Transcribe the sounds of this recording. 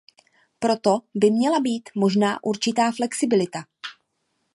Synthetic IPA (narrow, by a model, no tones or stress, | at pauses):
pɾo̞t̪o̞bɪmɲɛlabiːt̪mo̞ʒna̰ːʔuɾt͡ʃɪt̪aːflɛksɪbɪlɪt̪a